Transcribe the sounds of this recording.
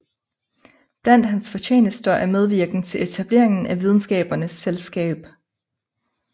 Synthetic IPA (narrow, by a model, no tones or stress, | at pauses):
b̥læn̰d̥ɦænsfɒ̽t͡ɕʰe̝̰ːnəsd̥ɐʔæɐmeð̞ˠʋiɐɡ̥n̩t͡sʰe̝lʔe̝t͡sʰæb̥le̝̰ɐe̝ŋn̩ʔæʋið̞ˠn̩sɡ̥ɛ̰ːb̥ɐnəsːelsɡ̥ɛ̰ːb̥